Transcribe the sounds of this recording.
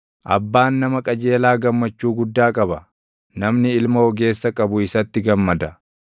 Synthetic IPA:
ʔɐ̰bːaːnːɐmɐkʼɐd͡ʒeːlaːɡɐmːɐt͡ʃːuːɡʊd̪ːaːkʼɐbɐ | nɐmnɪɪlmɐɔɡe̞ːsːɐkʼɐbʊɪsɐt̪ːɪɡɐmːɐd̪ɐ

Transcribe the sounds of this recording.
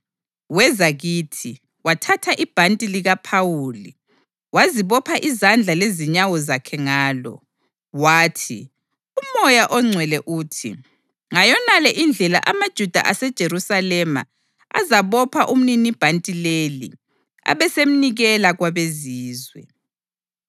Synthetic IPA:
wɛzaɣiːtʰi | watʰatʰaʔib̥ʱantʼiliɣapʰawuːli | waziβɔpʰaʔizand͡ɮʱaleziɲawɔzakʰɛŋaːlɔ̰ | waːtʰḭ | umɔjaʔɔŋ͡ǀʱwɛlɛʔuːtʰḭ | ŋajɔnalɛʔind͡ɮʱɛla̰ʔamad̥ʒ̥ʱud̥ʱa̰ʔasɛd̥ʒ̥ʱeɾusalɛma̰ | a̰zaβɔpʰaʔum̩ninib̥ʱantʼilelḭ | a̰βɛsem̩niɣɛlaɣwaβeziːzwɛ̰

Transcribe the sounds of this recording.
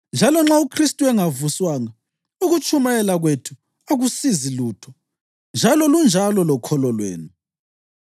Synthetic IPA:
nd͡ʒʱalɔŋ͡ǁaukʰristʼuɛŋavuswaːŋa | uɣut͡ʃʰʼumajɛlaɣwetʰu̥ | aɣusiziluːtʰɔ | nd͡ʒʱalɔlund͡ʒʱalɔlɔkʰɔlɔlwḛːni

